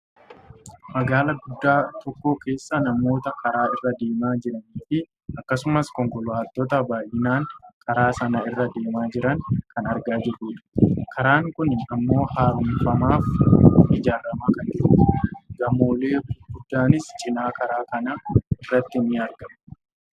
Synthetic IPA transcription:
mɐɡaːlɐɡʊd̪ːaːt̪ɔkːo̞ːke̞ːsːɐnɐmo̞ːt̪ɐkɐɾaːɪrːɐd̪e̞ːmaːd͡ʒɪɾɐniːfɪ | ɐkːɐsʊmɐskɔŋkɔlʊaːt̪ːɔt̪ɐbaːjɪnaːŋkʰʼɐɾaːsɐnɐɪrːɐd̪e̞ːmaːd͡ʒɪɾɐŋkʰɐnɐɾɡaːd͡ʒɪɾːuːᶑ̪ɐ̥kʰɐɾaːŋkʊnɪɐmːo̞ːhaːɾʊmfɐmaːfʔɪd͡ʒaːɾːɐmaːkɐnd͡ʒɪɾuːɡɐmo̞ːle̞ːɡʊd̪ːaːnɪst͡ʃʼɪnaːkɐɾaːkɐnɐɪrːɐt̪ːɪnːɪɐɾɡɐm

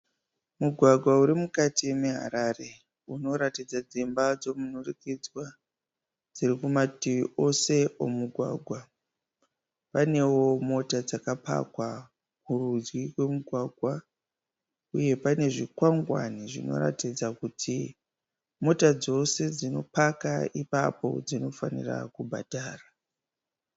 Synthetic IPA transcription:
muɡʱwaɡʱwauɾimukatimeɦa̰ɾaːre̞ | uno̞ɾatid͡zad͡zimbad͡zo̞munurikid͡zwa | d͡ziɾikumatiʋiʔo̞se̞o̰muɡʱwa̰ːɡʱwa | pane̞wo̞mo̞tad͡zakapa̰kwa | kurud͡ʒɡikwe̞muɡʱwaɡʱwa | uje̞pane̞ʐikwaŋɡwa̰niʐino̞̰ra̰tid͡zakutʰi | mo̞tad͡zo̞se̞d͡zino̞paka̰ipapo̞̰d͡zino̞fanḭra̰kubʱadʱaːra

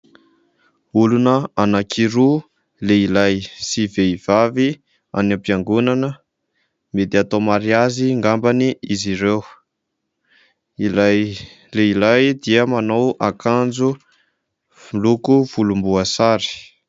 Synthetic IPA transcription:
ulunəanakʰiɾu | leilajsiveiv̥avi | a̰nampiaŋɡunanə | med̪iat̪omaɾiaziŋɡambaniiziɾew | ila | leilajd̪iəmanowakand͡zu | ulukuv̥ulumbuasaɾi̥

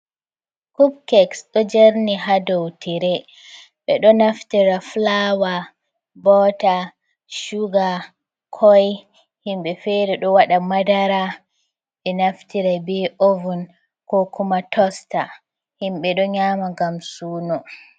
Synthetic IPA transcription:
kubkɛksɗɔd͡ʒeɾniɦadowtʰiɾɛ | ɓɛɗɔnaftiɾaflawa | bɔta | ʃuɡa | kʰɔj | himɓɛfɛɾɛɗɔwaɗamadaɾa | ɓɛnaftiɾabiovun | kɔkʰumatʰɔsta | himɓɛɗɔɲaːmaɡamsuːnɔ

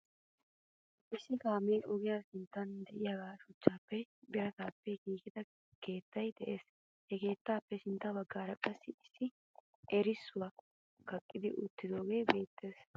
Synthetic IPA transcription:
ʔɪsːɪkaːmeːʔɔɡɪjaːsɪnt̪ːɐnd̪ɛʔɪjaːɡaːʃʊt͡ʃːaːpːɛbɪɾɐt̪aːpːɛɡiːkɪd̪ɐ | ke̞ːt̪ːɐjd̪ɛʔe̞ːs | hɛke̞ːt̪ːaːpːɛsɪnt̪ːɐbɐɡːaːɾɐkʼɐsːɪɪsːɪ | ʔɛɾɪsːʊwɐ | kɐkʼːɪd̪ɪʔʊt̪ːɪd̪o̞ːɡe̞ːbe̞ːt̪ːe̞ːs

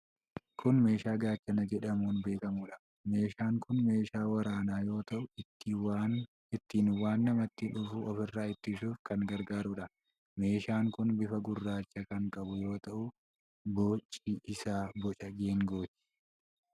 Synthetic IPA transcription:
kʰʊnme̞ːʃaːɡaːt͡ʃːɐnɐd͡ʒɛᶑɐmuːnbe̞ːkɐmuːᶑɐ̥ | me̞ːʃaːŋkʊnme̞ːʃaːwɐɾaːnaːjo̞ːt̪ɐʔʊt̪ːwa | ɪt̪ːiːnwaːnːɐmɐt̪ːɪᶑʊfuʔɔfɪrːaːɪt̪ːɪsuːfkɐŋɡɐɾɡaːɾʊᶑɐ | me̞ːʃaːŋkʊnbɪfɐɡʊrːaːt͡ʃːɐkɐŋkʼɐbʊjo̞ːt̪ɐʔʊ | boːt͡ʃʼːiːʔɪsaːbɔt͡ʃʼɐɡeːŋɡo̞ːt̪ːɪ̥

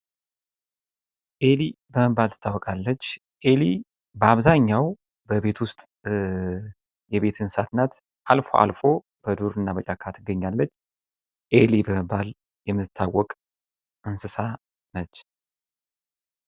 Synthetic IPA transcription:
ʔe̞libəməbːalt̪ʰɨ̥t̪ʰːawːɔkʼalːət͡ʃː | ʔe̞li | bəaβzaɲːaw | bəbe̞t̪ʰwʊst̪ʼ | jɛβe̞t̪ʰɨnsat̪nat̪ | ʔalfo̞̰ʔa̰lfo̞ | b̥əd̪uɾɨnːabət͡ʃʼakʰat̪ʰɨɡːəɲːalːət͡ʃː | ʔe̞libəməbːal | jɛmːɨt̪ʰːawːɔkʼ | ʔɨnsɨsa | nət͡ʃː

